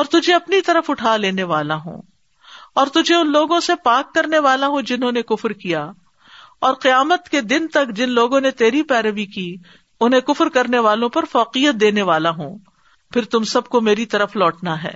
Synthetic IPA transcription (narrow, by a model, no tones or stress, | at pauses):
ɔːɾt̪ʊd͡ʒʱeɐpnit̪ɐɾəfʊʈʰaːleːneʋaːlaɦõ̰ː | ɔːɾt̪ʊd͡ʒʱeʊnloːɡõsepaːkːɐɾneʋaːlaɦõd͡ʒɪnɦõːnekʊfɾkija | ɔːɾqɪjaːmət̪ked̪ɪnt̪ɐkd͡ʒɪnloːɡõnet̪eːɾipɛːɾəʋiki | ʊnɦẽkʊfɾkɐɾneʋaːlõpɐɾfɔːqijət̪̚d̪eːneʋaːlaɦõ̰ː | pʰɪɾt̪ʊmsɐb̚komeːɾit̪ɐɾəflɔːʈnaɦɛ̰ː